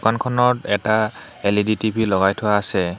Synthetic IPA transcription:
ukankʰɔnɔtɛta | eliditibʱilɔɡajtʰʊaːsɛ

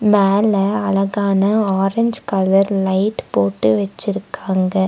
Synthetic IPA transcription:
meːlɐɐlɐɣaːnɐaːɾɛɲd͡ʒkɐlɐɾlɐɪʈpoːʈːɯʋɐt͡ʃːɪɾɯkːaːŋɡɐ

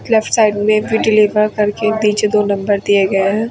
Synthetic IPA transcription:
lɛfʈsaːɪɖmẽbʱiɖɪliʋəɾkɐɾked̪iːt͡ʃed̪oːnɐ̃mbəɾd̪ijeɡɐeɦɛ̃ː

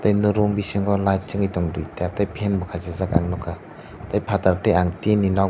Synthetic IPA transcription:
tajnuɾɔmbisiŋɡɔlajt̚t͡ʃɯŋijtɔŋdujteatajpʰenbɔkʰazezaka̰ŋnɔkʰa | tajpʰataɾtejaŋtenina

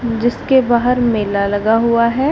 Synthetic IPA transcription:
d͡ʒɪskebaːɦəɾmeːlalɐɡaɦʊaɦɛː

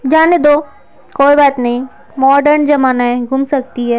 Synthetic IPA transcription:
d͡ʒaːned̪oː | koːibaːt̪nɐɦĩ | mɔːɖəɾnd͡ʒɐmaːnaɦɛ̃ɡʱʊmsɐk̚t̪iɦɛː

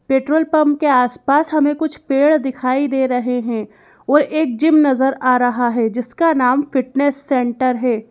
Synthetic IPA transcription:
peːʈɾoːlpɐmp̚keaːspaːsɦɐmẽkʊt͡ʃʰpeːɽd̪ɪkʰaːid̪eːɾɐɦeɦɛ̃ | ɔːɾeːk̚d͡ʒɪmnɐzəɾaːɾɐɦaɦɛd͡ʒɪskanaːmfɪʈneːsːɛ̃ːɳʈəɾɦɛː

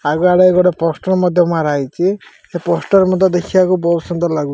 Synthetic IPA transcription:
aɡɔaɽeeɡɔɽepɔsʈɔɾmɔd̪ʱjɔmaɾaɦjt͡ʃʰi | sepɔsʈɔɾmɔd̪ʱjɔd̪ekʰibakubɔsɔnd̪ɔlaɡu

